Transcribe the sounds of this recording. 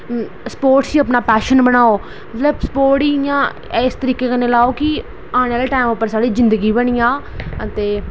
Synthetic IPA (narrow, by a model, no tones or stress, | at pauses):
sə̥poːɾʈsiːəpnaːpɛːʃənbəñaːoː | mət̪ləbsə̥poːɾʈiːjãː | ɪst̪əɾiːkeːkənelaːoːkɪ | aːñeleʈaːɪmʊpːəɾsaːɽiːzɪ̃nd̪əɡiːbəɽijãːət̪eː